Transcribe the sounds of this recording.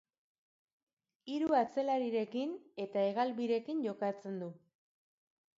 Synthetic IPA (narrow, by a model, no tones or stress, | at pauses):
iɾuat͡se̞laɾiɾe̞kine̞t̪ae̞ɣalβiɾe̞kiɲʝo̞kat͡se̞nd̪u